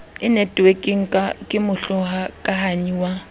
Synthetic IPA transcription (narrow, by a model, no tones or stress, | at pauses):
ɪnetʼwekʼeŋ̩kʼakʼɪmʊɬʊɦakʼahaɲiwa